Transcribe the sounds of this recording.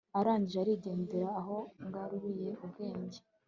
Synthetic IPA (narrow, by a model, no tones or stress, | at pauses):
aɾaːɲɟiʒeaɾiːɟe̞ːndeɾaːɦo̞ŋɡaɾuβije̞ubɡe̞ːɲɟe